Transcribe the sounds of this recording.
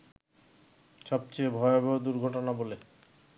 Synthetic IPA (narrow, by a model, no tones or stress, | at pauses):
ʃɔb̚t͡ɕebʱɔebod̪uɾɡʱɔʈonabole